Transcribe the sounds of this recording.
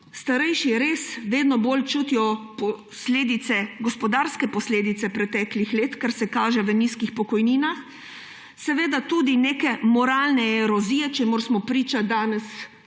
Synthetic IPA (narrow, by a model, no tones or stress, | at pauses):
st̪aɾɛjʃiɛɾesʋeːd̪nɔboːlt͡ʃuːt̪ijɔpɔ | sleːd̪it̪sɛɡɔspɔd̪aɾskɛpɔsleːd̪it̪sɛpɾɛt̪ɛklixleːt̪kaɾsɛkaːʒɛʋəniːskixpɔkɔjniːnax | sɛʋeːd̪at̪uːd̪ineːkɛmɔɾaːlnɛɛɾɔzijɛt͡ʃɛmoɾsmɔpɾiːt͡ʃad̪aːnɛs